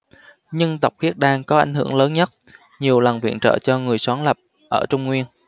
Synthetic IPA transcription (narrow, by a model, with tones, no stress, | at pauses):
ɲɨ˧ŋt̪ə˨˩wk͡p̚xi˦˥t̚ɗaː˧ŋkɔ˨˦ʔa˧˩jŋ̟ɦɨ̰˧˩əŋləː˨˦nɲə˦˥t̚ | ɲi˨˩əwlə˨˩nvḭ˧˨ənt͡ɕə̰ː˧˨t͡ɕɔ˧ŋɨ˨˩əjswaː˨˦ŋlə˨˩p̚ | ʔəː˧˩t͡ɕʊ˧ŋ͡mŋwi˧ən